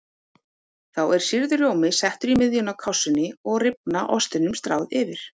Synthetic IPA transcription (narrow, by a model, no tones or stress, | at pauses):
θawɛɾ̥siɾðʏrjoːwmɪsɛht̪ʏɾimɪðjʏnakʰawsːʏnːɪɔɣrɪp̚naʔɔst̪ɪnʏmst̪ɾa̰ːwðɪvɪɾ̥